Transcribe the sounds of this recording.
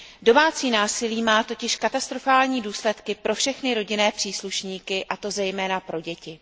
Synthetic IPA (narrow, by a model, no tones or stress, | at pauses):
do̞maːt͡siːnaːsɪliːmaːt̪o̞cɪʃkat̪ast̪ɾo̞faːlɲiːduːslɛt̪kɪpɾo̞fʃɛxnɪɾo̞ɟɪnɛːpr̥iːsluʃɲiːkɪʔat̪o̞zɛjmɛːnapɾo̞ɟɛcɪ